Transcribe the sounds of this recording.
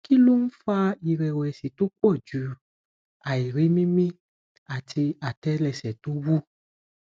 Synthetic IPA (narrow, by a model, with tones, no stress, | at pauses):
ki˦lo˦n̩˦fa˦˧i˨ɾɛ˨wɛ˨si˨to˦k͡pɔ˦˨d͡ʒu˨˦ | a˨i˨ɾe˨˦mĩ˦mĩ˦ | a˨tʰi˧a˨tɛ˦lɛ˧˨sɛ˨to˦wu˦